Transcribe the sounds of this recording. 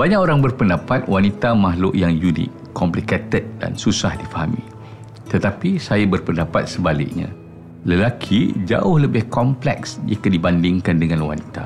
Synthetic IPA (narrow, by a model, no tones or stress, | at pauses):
baɲakoɾaŋbərpəndapat̪̚wanit̪amaɦlʊʔjaŋjunɪ̰kːɔmpliket̪ət̪̚da̰nsusahdifaɦamḭ̃ | t̪ət̪apisajabərpəndapat̪̚səbalɪ̰ʔ̚ɲã̰ | ləlakʰid͡ʒa̰ʊhləbɪhkɔmplɛ̰ksd͡ʒḭkədibandɪŋkandəŋãnwa̰nit̪a